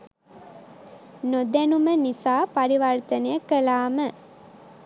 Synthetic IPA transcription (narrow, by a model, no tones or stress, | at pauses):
nod̪ænumənisaːpaɾiʋart̪ənəjəkəlaːmə